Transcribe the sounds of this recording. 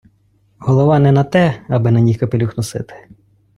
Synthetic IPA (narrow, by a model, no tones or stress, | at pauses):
hɔlˠɔʋɑnɛnɐt̪ɛɐbɪnɐnʲikɐpelʲuxnɔsɪt̪ɪ̥